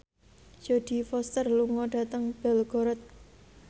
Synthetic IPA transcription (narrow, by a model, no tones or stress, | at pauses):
d͡ʒ̥o̤d̪̥i̤fɔst̪ərluŋɔɖ̥ä̤t̪əŋb̥ɛlɡ̥ɔ̤ɾət̪̚